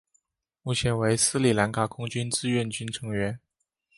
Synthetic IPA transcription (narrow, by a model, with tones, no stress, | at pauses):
mu˥˩t͡ɕʰjɛ˧˥nwe˧˥ɪsɹ̩˥li˨˩la˧˥nkʰa˨˩kʰʊ˥ŋt͡ɕy˥nt͡sɹ̩˥˧ɥɛ˥˩nt͡ɕy˥nʈ͡ʂʰɤ˧˥ŋɥɛ˧˥n